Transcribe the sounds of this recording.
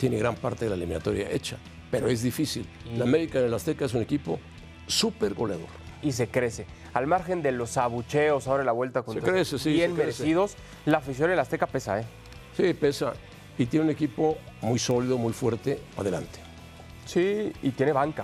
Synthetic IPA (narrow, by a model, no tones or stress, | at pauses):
t̪je̞neɣɾampaɾt̪eðelaelimĩnat̪o̞ɾja̰ʔe̞̰t͡ʃa | peɾo̞e̞zðifisil | lameɾikaenelast̪e̞kaes̬une̞kipo̞̰ | supe̞ɾɣo̞lja̰ðo̞̰ɾis̬e̞kɾe̞se̞ | almaɾxe̞nd̪e̞lo̞saβut͡ʃe̞osaoɾalaβwe̞lt̪akonkɾesesienmeɾesiðo̞s | lafis̬jo̞nelast̪e̞kape̞sa̰e | sipe̞sa̰ | it̪̬jeneune̞kipo̞ | mujso̞liðomujfwe̞ɾt̪ea̰ðelant̪e̥ | siit̪je̞ne̞βaŋka